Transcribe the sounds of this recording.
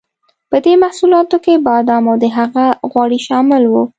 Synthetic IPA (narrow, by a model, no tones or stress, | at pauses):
pəd̪emahsulɑt̪okebɑd̪ɑmawd̪əɦaɣaɣwɑɽiʃɑmɪlwu